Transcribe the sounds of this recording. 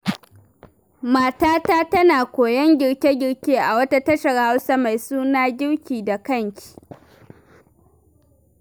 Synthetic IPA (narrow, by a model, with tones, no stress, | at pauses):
maː˨taː˦taː˦tɐ˦naː˨kʷoː˨jɐ˦ŋɡʲɪ˨ɽkʲe˦ɡʲɪ˨ɽkʲeː˦ʔa˨wɐ˦ta˦tɐ˦ʃɐ˨rha˦wsaː˦ma˨jsuː˦naː˦ɡʲɪ˦ɽkʲiː˨da˨kɐ˦˨ŋkʲʰi̥ː˨